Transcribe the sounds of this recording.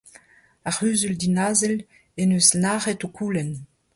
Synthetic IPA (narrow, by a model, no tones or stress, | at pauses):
aʁyːzyldinaːzɛl | enøːznaːʁɛtokʰuːlɛn